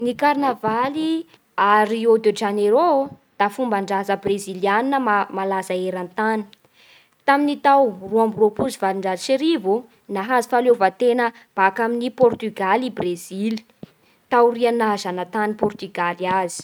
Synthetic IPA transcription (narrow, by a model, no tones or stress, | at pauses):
nikarnavali | aɾiod̪ed͡ʒaneɾo | d̪̥afumbaɳɖ͡ʐazəbreziljaninəmamalazaeɾant̪ani̥ | t̪aminit̪awruambropuzivaliɳɖ͡ʐaziʃeɾivu | naɦazi̥falovət̪enə | b̥akaminipɔrt̪yɡalibrezili̥ | t̪awrianazanət̪anipɔrt̪yɡaliazi̥